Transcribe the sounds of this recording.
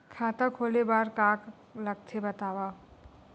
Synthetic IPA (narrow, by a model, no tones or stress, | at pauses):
kʰaːt̪akʰoːlebaːɾkaːk | ləɡ̚t̪ʰebət̪aːwa